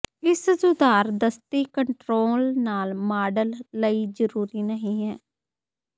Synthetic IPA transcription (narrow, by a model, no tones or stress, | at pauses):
ɪssʊd̪aːɾd̪əst̪iːkəɳʈɾoːlnaːlmaːɖəlːəiːd͡ʒəɾuːɾiːnəɦĩːɦɛː